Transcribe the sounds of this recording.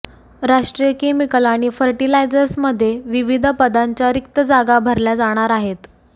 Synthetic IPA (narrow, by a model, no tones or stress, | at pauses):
ɾaʂʈɾijəkemikəlaɽ̃ifəɾʈilajd͡zəɾsməd̪ʱːjeʋiʋid̪ʱəpəd̪ʱaɲt͡ɕjaɾik̚t̪əd͡zaɡabʱəɾljad͡zaɽ̃aɾaɦet̪